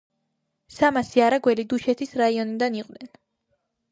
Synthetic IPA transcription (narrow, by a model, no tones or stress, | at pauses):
samasiaɾaɡwɛlid̪uʃɛt̪ʰisɾaiɔnid̪aniqʼvd̪ɛn